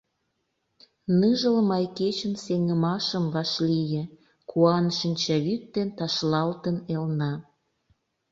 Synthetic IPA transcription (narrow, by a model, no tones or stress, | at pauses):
nɯʒəlmɑjket͡ɕənseŋəmɑʃəmβɑʃlijĕ | kuɑnʃinʲt͡ɕɑβyt̪̚ːd̪ent̪ɑʃlɑlt̪ənelnɑ